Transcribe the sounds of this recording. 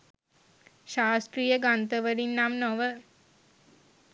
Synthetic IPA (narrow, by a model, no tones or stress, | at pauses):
ʃaːsʈ̪rijəɡant̪əʋəɾinːamnoʋə